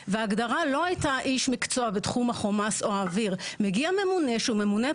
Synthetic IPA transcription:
veaːɡdaʁalo̞ajtaʔiʃmikt͡so̞abetχumhaχo̞masoaːviʁmeɡiame̞mune̞ʃeume̞mune

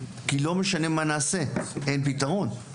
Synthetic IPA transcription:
kilo̞me̞ʃane̞manaːse̞enpit̪aʁo̞n

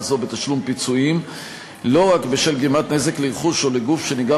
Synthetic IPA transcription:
zo̞bet̪aʃlumpit͡suim | lo̞ʁakbeʃelɡimat̪neze̞kleʁχuʃo̞leɡufʃe̞niɡa

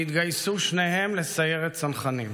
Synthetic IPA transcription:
it̪ɡajsuʃnehe̞mle̞saje̞ʁet̪sanχanim

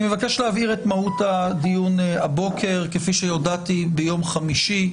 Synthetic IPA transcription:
imevake̞ʃleaviʁetmahutadijunabo̞kʰe̞ʁkefiʃejo̞datibejo̞mχamiʃi

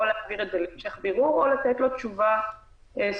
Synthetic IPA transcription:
olaviʁed̪elimʃejaχbiʁuolat̪et̪lo̞t̪t͡ʃuva | es

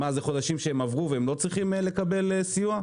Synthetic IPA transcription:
mazeχo̞d̪aʃimʃeemavʁuveemlo̞t͡sʁiχimle̞kabe̞lesijua

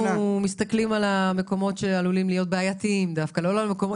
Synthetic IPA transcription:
umist̪aklimalame̞ko̞mo̞tʃealulimlijo̞t̪̬̚beajatiimd̪afkaleolalmeko̞mo

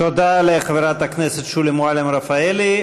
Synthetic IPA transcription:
t̪od̪aleχaveɾat̪akneset̪ʃulimoalemɾafaeli

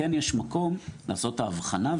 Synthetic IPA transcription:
enjeʃmako̞mlaːso̞taːvχanav

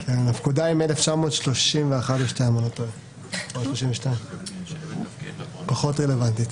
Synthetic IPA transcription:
enafkud̪aimeleft͡ʃamoːt̪ʃlo̞ʃimveaχatbeʃteamanat̪oj | amoʃloʃimveʃtaim | paχotʁelevant̪it̪

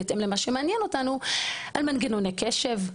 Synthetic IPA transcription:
etemlemaʃemeanjɛno̞tanuʔalmanɡenonekeʃe̞v

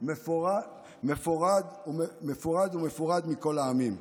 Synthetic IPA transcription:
mefoʁa | mefoʁad̪umeme̞foʁad̪ume̞foʁad̪miko̞laːmim

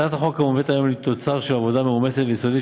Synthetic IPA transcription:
at̪aχokamovet̪ajo̞mlet̪o̞t͡saʁʃelavo̞d̪ameumeset̪vesod̪i

